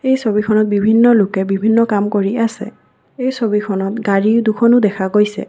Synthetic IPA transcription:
ejsobikʰɔnɔt̚bibʱinːɔlʊkɛbibʱinːɔkamkoɹiasɛ̰ | ejsobikʰɔnɔtɡaɹidukʰɔnʊdɛkʰaɡojsɛ̰

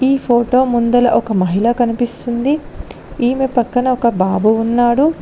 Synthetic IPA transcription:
iːpʰoːʈo̞ːmund̪ɐlɐʔɔkɐmɐɦilɐkɐnipist̪und̪i | iːmepɐkːɐnɐɔkɐbaːbuːnːaːɽu

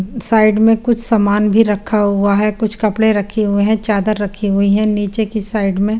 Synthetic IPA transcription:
saːɪɖmẽkʊt͡ʃʰsɐmaːnbʱiɾɐkʰːaɦʊaɦɛkʊt͡ʃʰkɐpɽeɾɐkʰiɦʊeɦɛ̃t͡ʃaːd̪əɾːɐkʰiɦʊiɦɛ̃niːt͡ʃekisaːɪɖmẽ

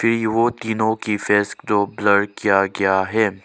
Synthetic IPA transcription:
fɪɾʋoːt̪iːnõkifɛːskd̪obləɽkijaɡɐjaɦɛː

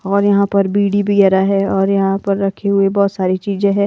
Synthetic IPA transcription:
ɔːɾjɐɦãpɐɾbiːɽibɐɡɛːɾaɦɛɔːɾjɐɦãpɐɾːɐkʰeɦʊebɔːt̪saːɾit͡ʃiːzẽɦɛ̃ː

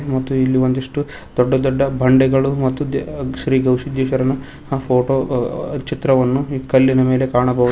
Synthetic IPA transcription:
mɐt̪ːuilːiʋond̪ɐʂʈu | d̪ɔɖːɐd̪ɔɖːɐbʱɐɳɖɛɡɐɭumɐt̪ːuʃɾiːɡɐwʂid̪iːʃɐɾɐnɐ | pʰoːʈoːt͡ʃit̪ɾɐʋɐnːukɐlːinɐme̞ːle̞kaːɳɐbɐʋu

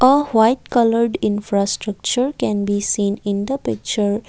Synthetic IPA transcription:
ʔəwaɪʈ̚kʌləɾɖɪ̃nfɾasʈɾʌk̚t͡ʃəɾkɛ̃nbisĩːnɪ̃nd̪əpɪk̚t͡ʃəɾ

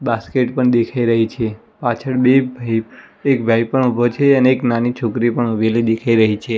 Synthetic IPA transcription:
baskeʈpəɳd̪ekʰaiɾəɦit͡ʃʰe | pat͡ʃʰəɭbebʱai | ekbʱajpəɳubʱot͡ʃʰeəneːknanit͡ʃʰokɾipəɳubelid̪ekʰaiɾəɦit͡ʃʰe

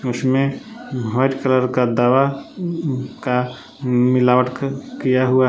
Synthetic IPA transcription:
ʊsmẽɦɔːɪʈkələɾkad̪aːʋa | ka | mɪlaːʋəʈkkijaɦʊa

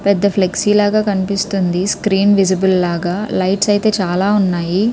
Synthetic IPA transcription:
pɛd̪ːɐpʰleksiːlaːɡaːkɐnipist̪und̪iskɾiːnʋid͡ʒibulːaːɡaːlɐjʈsɐjit̪e̞ːt͡ʃaːlaːunːaːji

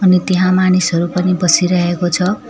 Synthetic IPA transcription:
ʌnit̪eɦãmanisɦʌɾupʌnibʌsiɾʌɦekot͡sʰʌ

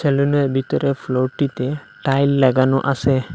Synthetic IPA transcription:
t͡ʃeluneɾbʱit̪ɔɾefʰloɾʈit̪e | ʈajlːɛɡanoʔase

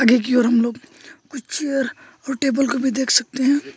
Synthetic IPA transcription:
ɐɡek̬iɔːɾɦɐmloːɡkʊt͡ʃt͡ʃijəɾ | ɔːɾʈeːbəlkobʱid̪eːkʰsɐk̚t̪eɦɛ̃ː

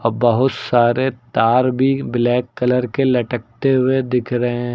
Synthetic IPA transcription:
ɐbɐɦʊt̪saːɾet̪aːɾbʱiblɛːkːɐləɾkelɐʈək̚t̪eɦʊed̪ɪkʰɾɐɦẽ

